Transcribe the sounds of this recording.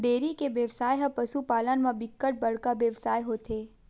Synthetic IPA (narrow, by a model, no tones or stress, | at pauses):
ɖeːɾikebeːʋsaːjɦɐ̃pɐsupaːlənmãbɪkːəʈ̚bɐɽ̤kabeːʋsaːjɦoːt̪ʰeː